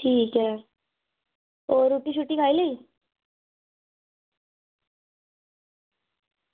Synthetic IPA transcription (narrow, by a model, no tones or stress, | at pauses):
ʈʰiːkɦɛ | oɾuʈiɕ̬uʈĩkʰaːilei